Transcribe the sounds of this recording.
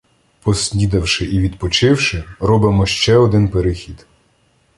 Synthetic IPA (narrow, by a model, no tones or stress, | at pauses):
pɔsʲlʲid̪ɐwʃɪʔiʋʲid̪pɔt͡ʃɪwʃɪɾɔbɪmɔʃt͡ʃɛɔd̪ɪnpeɾɪxʲid̪̥